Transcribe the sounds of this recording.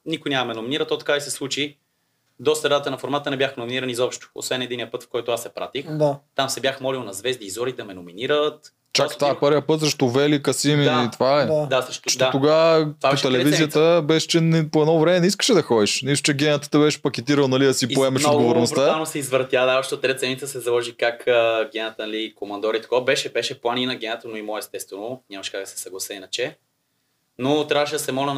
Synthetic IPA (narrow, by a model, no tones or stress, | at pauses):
nikʊjnʲaməmɛnʊminiɾət̪ːɔt̪ɐ̥kaisɛslˠut͡ʃi | d̪ɔst̪ɐɾat̪ənɐfoɾmat̪ənɛbʲjaxnʊminiɾənizɔpʃt̪ʊ̥o̰svɛnɛd̪inijəpɤt̪fkɔjt̪ʊasɛpɾa̰t̪ixd̪at̪amsɛbjaxmɔlilˠnɐzvɛzd̪iːzɔɾid̪ɐmɛnominiɾət̪ | t͡ʃakkt̪vaɛpəɾvjəpɤt̪səʃt̪ovɛlikɐsimit̪vaɛd̪aʃʃt̪ɔt̪oɡat̪vaot̪ɛlɛvizijət̪əbɛʃɛ̥t͡ʃɛnpoɛd̪nɔvɾɛmɛnɛiskə̥ʃɛd̪ɐxɔd̪iʃnist̪ʊ̥t͡ʃɛɡʲɛnət̪ə̥t̪əbɛʃpɐkʲɛt̪iɾəlˠnɐliɐsippoɛmɐʃodɡovoɾnost̪aanosɛizvɾt̪jad̪aɔʃt̪ɛot̪ːɾɛt̪sɛnʲit̪əsɛzɐlˠɔʒikakəɡʲɛnət̪ənɐlikomɐnd̪ɔɾit̪ɐ̥kɔvɐbɛʃɛbɛʃɛplˠaninɐɡʲɛnət̪ənoimɔɛst̪ɛt̪st̪vɛnoɲʲamɐʃkak̚d̪ɐsɛ̥sɐɡlˠɐsɛinɐt͡ʃɛ | not̪ɾʲavəʃɛd̪ɐsɛmɔlʲɐn